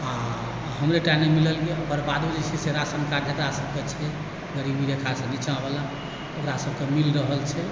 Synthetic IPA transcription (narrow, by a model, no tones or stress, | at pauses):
a | ɦəmɾeʈaimːemiləlɡeokəɾbad̪bəd͡ʒet͡ʃʰɛseɾasənkaɾd͡ʒəkɾasəb̚ʱket͡ʃʰɛ | ɡəɾibmiɾekʰasenit͡ʃabela | okɾasəb̚ʱkemilɾəɦəlt͡ʃʰɛ